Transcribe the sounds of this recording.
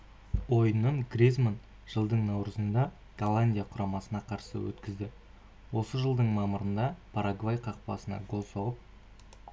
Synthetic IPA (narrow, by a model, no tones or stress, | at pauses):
wo̞jnəɴɡrʲizmon | ʒ̥əlˠd̪əɴnɑwɾəzənd̪ɑ | ɡ̥alˠanʲdʲijaqʰʊɾɑmɑsənɑqʰɑɾsə̰wɵ̰t̪kʲɪzd̪ɪ | wo̞səʒəlˠd̪əɴmɑməɾənd̪ɑpʰaɾaɡvajqʰɑq̚pɑ̰sənɑ̰ɡo̞lˠsoʁəp̚